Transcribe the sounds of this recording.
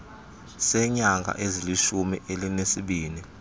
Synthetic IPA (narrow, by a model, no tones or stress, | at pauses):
sɛɲaŋɡʱa̰ʔeziliʃumiʔelinesiɓiːni